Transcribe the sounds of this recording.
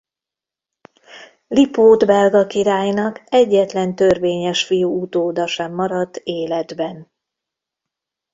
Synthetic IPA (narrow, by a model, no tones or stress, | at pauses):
lipoːd̪bɛlɡɒkiɾaːjnɒkɛɟːɛt̪lɛnt̪ørveːɲɛʃfijuut̪oːd̪ɒʃɛmːɒɾɒd̪eːlɛd̪bɛn